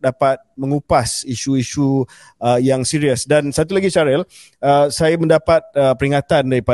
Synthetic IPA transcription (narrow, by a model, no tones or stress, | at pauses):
dapat̪̚mə̃ŋupasiʃuiʃu | əjaŋsiɾiəsdansat̪ulaɡisaɾɛl | əsajamə̃ndapat̪̚əpəɾiŋat̪andaɾipa